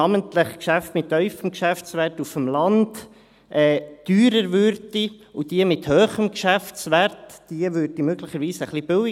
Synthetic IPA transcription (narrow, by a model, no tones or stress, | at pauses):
ɑmənt̪ləχkʃæftmɪtːœʏfəmkʃæft͡sʋætufəmlɑnd̥ | ʔɛːd̥yːɾəɾʋʏɾdiud̥iəmɪthøːχəmkʃæft͡sʋæɾtd̥iəvʏɾd̥imøɡ̥lɪχəɾʋiːsəχlib̥ʏwɪ